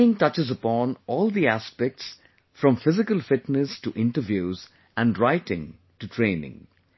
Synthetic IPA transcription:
ɪ̃ŋʈʌt͡ʃɨzəpɔ̃nɔːlˠd̪iæspɛk̚ʈs | fɾʌ̃mfɪzɪkəlfɪʈnəsʈuʔɪ̃nʈəʋjuːz | ʔæ̃nɖɾaɪʈɪ̰̃ŋ | ʈutʰɾẽːnɪ̰̃ŋ

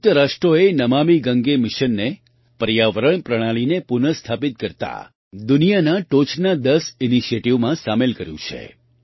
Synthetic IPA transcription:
ʊk̚t̪əɾaʃʈɾoenəmamiɡəŋɡemɪʃənːe | pəɾjaʋəɾəɳ̃pɾəɽ̃alinepunəst̪ʰapit̪̚kəɾt̪a̰ | d̪unijanaʈot͡ʃʰnad̪əsiniʃieʈiʋmãsamelkəɾjṵ̃t͡ʃʰḛ

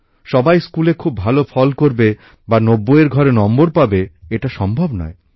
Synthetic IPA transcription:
ʃɔbajskulekʰubʱalofʰɔlkoɾbe | banobːoeɾɡʱɔɾenɔmboɾpabeeʈaʃɔmbʱobnɔ̰e

